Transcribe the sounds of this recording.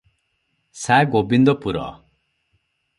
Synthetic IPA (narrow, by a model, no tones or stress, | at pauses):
saɡobind̪ɔpuɾɔ̰